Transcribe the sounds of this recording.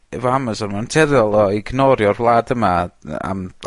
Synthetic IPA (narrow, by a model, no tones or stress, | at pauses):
ɛvɔaməsɔnmantʰɛɾjɔlˠɔiɡnɔɾjɔrvlˠaːdəmaa̰m